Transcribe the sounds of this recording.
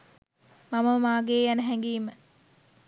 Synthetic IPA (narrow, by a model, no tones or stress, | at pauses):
maməmaːɡeːjænəɦæŋɡiːmə